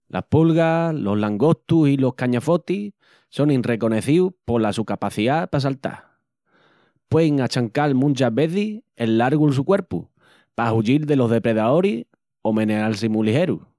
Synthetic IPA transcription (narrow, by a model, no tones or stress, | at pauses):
lʔa̰hpulɣalo̞ɦlaŋɡo̞ht̪usilo̞hkaɲafo̞t̪i | so̞ŋinre̞ko̞ne̞θiwpo̞lasukapaθiðapas̬alt̪a̰ | pweiŋat͡ʃaŋkalmũnt͡ʃaɦβe̞θihenːaɾɣulsukwe̞ɾpṵ | paɦuʎilðe̞lo̞ɦðe̞pɾe̞ðaoɾih | o̞mẽ̞nealsimulihe̞ɾṵ